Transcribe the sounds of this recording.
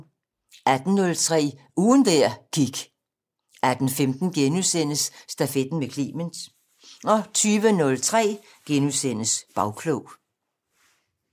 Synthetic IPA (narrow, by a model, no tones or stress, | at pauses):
ʔæd̥n̩ːɔ̽lt͡sʰʁɛ̰ː | uːnd̥æɐ̰ɡ̥iɡ̥ | æd̥n̩femd̥n̩ɡ̥enusen̰əsːd̥æfed̥n̩ʋekʰlḭːmənd̥ | ɒ̽t͡sʰyːʋənɔ̽lt͡sʰʁɛ̰ː | ɡ̥enusen̰əsb̥ɑ̈ʊkʰloʊ